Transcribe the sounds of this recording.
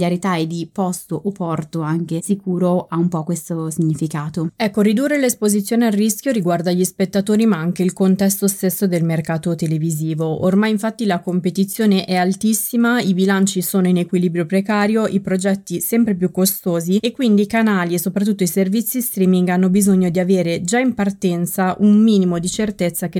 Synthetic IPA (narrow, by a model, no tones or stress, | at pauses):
ljaɾit̪aed̪ipɔst̪oʔopɔrt̪oaŋk̟esikuːɾoaumpɔkːwest̪osiɲːifikaːt̪oɛkːoɾid̪urːelespozit̪sːjoːnearːisk̟joɾiɡward̪aʎːispet̪ːat̪oːɾimaaŋk̟eilkont̪ɛst̪ost̪esːod̪elmerkaːt̪ot̪eleviziːvoo̰rmajiɱfat̪ːilakompet̪it̪sːjoːneʔɛalt̪isːimaibilant͡ʃisoːnoinekwiliːbɾjopɾekaːɾjoʔipɾod͡ʒɛt̪ːisɛmpɾep̬jukːost̪oːziekːwind̪ikanaːliesːopɾat̪ːut̪ːoiservit̪sːist̪ɾiːmiŋɡanːobizoɲːod̪iaveːɾed͡ʒaimpart̪ɛnt̪saʔummiːnimod̪it͡ʃert̪et̪sːake